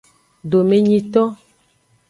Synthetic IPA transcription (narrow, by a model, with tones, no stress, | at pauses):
ɖo˨me˨ɲĩ˦t̪ɔ˦